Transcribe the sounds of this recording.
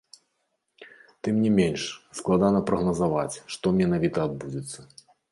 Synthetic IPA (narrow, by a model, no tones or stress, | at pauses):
t̪ɨmnʲimʲenʲʂsklˠad̪anɐpɾɐɣnɐzava̰t͡sʲʂt̪ɔmʲɛnavʲit̪ɐːd̪̚bud͡zʲɪt̪sːɐ